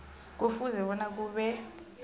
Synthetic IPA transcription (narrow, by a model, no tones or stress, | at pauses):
k̬ofuzɛɓɔnak̬uːɓɛ